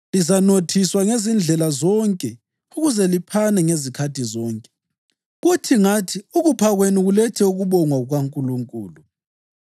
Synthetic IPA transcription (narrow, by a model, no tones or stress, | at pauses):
lizanotʰiswaŋezind͡ɮʱɛlazɔŋkʼɛ | uɣuzɛlipʰanɛŋezikʰatizɔːŋkʼɛ | ɣutʰiŋatʰiuɣupʰaɣweniɣulɛtʰɛuɣuβɔŋwauɣwaŋkʼuluŋkʼṵːlu